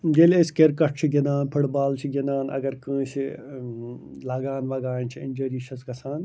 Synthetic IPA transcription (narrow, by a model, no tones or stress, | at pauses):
ɡeleskeɾkɐʈ̚ʰt͡ʃʰiɡenaːnpʰɐɽbaːlt͡ʃʰiɡenaːnɐ̰ɡɐɾkə̃ːʃʰi | laːɡaːnʋaɡaːnʲt͡ʃʰiɪnd͡ʒɐɾiːʃʰɐsɡɐsʰaːn